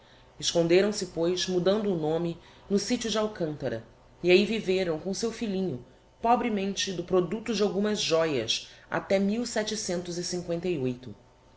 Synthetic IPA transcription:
ɪʃkõnd̪eɾɐ̃w̃sɪpojzmud̪ɐ̃nd̪ʊːnõmɪ | nʊsit͡ʃʊd͡ʒawkɐ̃nt̪ɐɾɐ̰ | iaiviveɾɐ̃w̃kõsewfilĩɲʊ | pɔbɾimẽnt͡ʃɪd̪ʊpɾod̪ut̪ʊd͡ʒɪawɡũmɐzʒɔjɐ̰sa̰t̪ɛmiwsɛt͡ʃɪsẽnt̪ʊzisĩŋkwẽnt̪ejojt̪ʊ

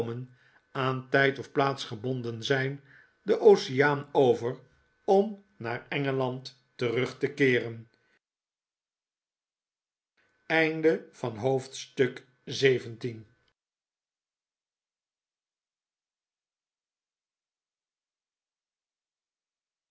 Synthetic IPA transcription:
mən | aːntɛjtɔfplaːtsχəbɔndənzɛjn | dəʔowsijaːnowvər | ɔm | naːɹɛŋəlɑntː | ərɵχtəkɪːrən | ɛjndəv̥ɑnɦowftstɵk | zejvəntin

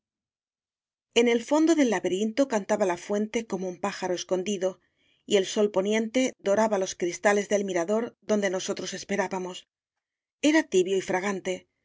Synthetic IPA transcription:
e̞ne̞lfo̞nd̪o̞ðe̞lːaβeɾint̪o̞kant̪aβalafwe̞nt̪e̞ko̞moumpaxaɾoe̞sko̞nd̪iðo̞ | ie̞lso̞lpo̞njẽ̞nt̪e̞d̪o̞ɾaβalo̞skɾist̪ale̞zðe̞lmiɾaðo̞ɾðo̞nd̪e̞no̞so̞t̪ɾo̞se̞spe̞ɾaβamo̞s | e̞ɾat̪iβjoifɾaɣ̞ant̪e̞

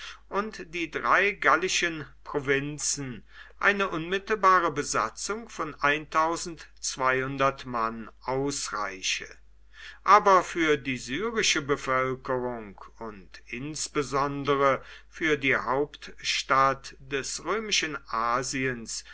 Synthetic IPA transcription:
ʔʊntd̥iːdʁaɪɡalɪʃənpʁ̥ovɪnt͡sn̩ | ʔaɪnəʔʊnmɪtl̩baːʁəbəza̰t͡sʊŋfɔnʔaɪntʰaʊzn̩tt͡sv̥aɪhʊndɐtmanʔaʊsʁa̰ɪʃə̰ | ʔaːbɐfyːɐdiːzyːʁɪʃəbəfœlkəʁʊŋkʊntʔɪnsb̥əzɔndəʁəfyːɐdiːhaʊptʃtatd̥ɛsʁøːmɪʃənʔaːziəns

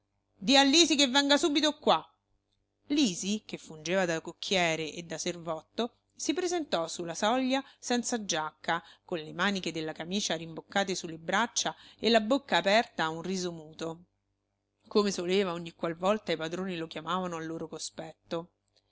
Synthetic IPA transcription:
d̪ialːiːzikevːɛŋɡasuːbit̪okwa | liːzikefːund͡ʒeːvad̪akokʰːjɛːɾeʔed̪ːaservɔt̪ːo | sipɾezent̪ɔsulːasɔʎːasɛnt̪sad͡ʒakːakonlemaːniked̪elːakamiːt͡ʃaɾimbokːaːt̪esulːebɾat͡ʃːaelːabokːaːpɛrt̪aunriːzomuːt̪o | komesoleːvaoɲːikːwalvɔlt̪aipad̪ɾoːnilok̟jamaːvanoalːoːɾokospɛt̪ːo

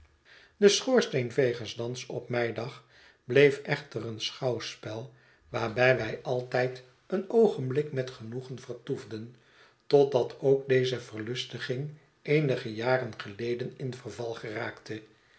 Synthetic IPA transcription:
dəsχʊːɹstenvejχənsdɑnsɔpmɛjdɑχ | b̥lejfʔɛχtərənsχɑwspɛlˠ | ʋaːɹbɛjʋɛjʔɑlˠtɛjt | ənowχənblɪkmɛtχənuχənvərtuvdən | tɔt̚dɑtʰowk̚dejzəvərlɵstəχɪŋ | ʔejnəχəjaːrənχəlejdənɪnvərvɑlˠχəraːktə

